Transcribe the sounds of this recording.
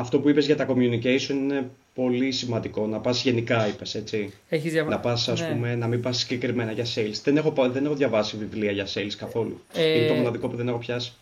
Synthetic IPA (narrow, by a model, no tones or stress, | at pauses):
ɐft̪o̞puipe̞zʝɐt̪ɐko̞mjunicesio̞nine̞ | po̞lisimɐnd̪iko̞nɐpɐzʝe̞nikɐipe̞se̞t͡si | eçizjɐnɐpɐsɐspume̞nɐmibɐssi̥ɟe̞kɾime̞nɐʝɐseilsðe̞nexo̞pðene̞xoðʝɐvɐsivivliɐʝɐse̞lskɐθo̞lṵ | inet̪omo̞nɐðiko̞puðe̞ne̞xo̞pçɐsi̥